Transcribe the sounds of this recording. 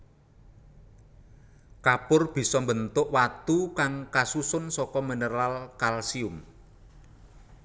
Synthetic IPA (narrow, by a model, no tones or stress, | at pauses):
kapʊrb̥i̤sɔmbənt̪ʊʔwat̪ukaŋkasusʊnsɔkɔmənərlalkalsiʊm